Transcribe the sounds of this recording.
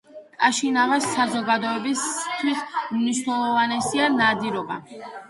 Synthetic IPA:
t̪ʼaʃinavasːazɔɡad̪ɔɛbist̪ʰwismniʃnɛlˠɔvanɛsianad̪iɾɔba̰

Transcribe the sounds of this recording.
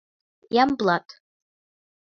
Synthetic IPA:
jamblatʼ

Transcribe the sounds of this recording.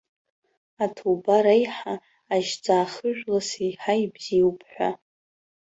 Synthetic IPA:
atʰobaɾajħaː | ʒd͡zaːχɨʒᶣlasijħaibz̥iwpʰħᶣʷa̰

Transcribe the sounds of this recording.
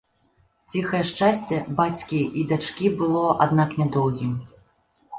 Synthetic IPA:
t͡sʲixɐjɛʂt͡ʂasʲt͡sʲɛbat͡sʲkʲiʔid̪at͡ʂkʲibɨlˠɔa̰d̪naknʲad̪ɔwɣʲim

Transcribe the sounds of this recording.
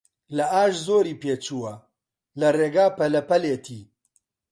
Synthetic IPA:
lɐʔaːʃzoːɾiːpeːt͡ʃuːwɐ | lɐreːɡaːpɐlɐpɐleːt̪ʰiː

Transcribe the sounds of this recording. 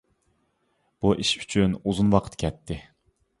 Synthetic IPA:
b̥uʔiʃy̥t͡ʃʰynuzunwɑqʰə̥t̪kʲʰɛt̪ʰːɪ

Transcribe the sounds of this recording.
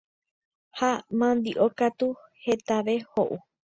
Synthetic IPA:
hamãnd̪iʔokat̪u | he̞t̪aʋe̞hoʔu

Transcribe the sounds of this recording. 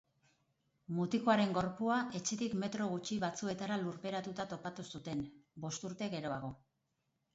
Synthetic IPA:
mut̪iko̞aɾe̞ŋɡo̞ɾpuaʔe̞t͡ʃe̞t̪ikme̞t̪ɾo̞ɣut͡ʃiβat͡sue̞t̪aɾaluɾpe̞ɾat̪ut̪at̪o̞pat̪usut̪e̞nbo̞st̪uɾt̪e̞ɣe̞ɾo̞aɣo̞

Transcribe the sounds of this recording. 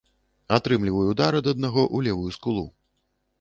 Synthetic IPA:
at̪ɾɨmlʲivɐjuud̪aɾɨd̪ɐd̪̚naɣɔʔulʲɛvujuskulˠu

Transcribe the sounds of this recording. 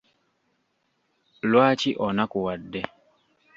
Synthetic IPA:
lwaːciʔonakuwadːe

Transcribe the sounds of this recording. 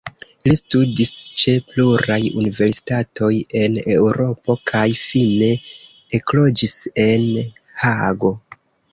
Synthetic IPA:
listudist͡ʃe̞pluɾajunive̞ɾsi̥tato̞je̞ne̞wɾo̞po̞kʰajfine̞ː | klo̞d͡ʒise̞n | haɡo̞

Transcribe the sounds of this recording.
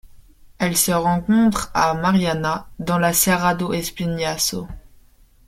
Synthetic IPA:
ɛlsəʁɑ̃kɔ̃t̪χamaʁjanad̪ɑ̃laseʁad̪oʔɛspinjaso

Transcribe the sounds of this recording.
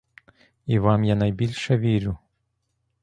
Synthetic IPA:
iʋɑmjanɐjbʲilʲʃɛʋʲiɾʲʊ

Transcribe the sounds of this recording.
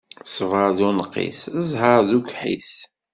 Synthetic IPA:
svəɾˤðunəqːḭsəzɦəɾðukħḭs

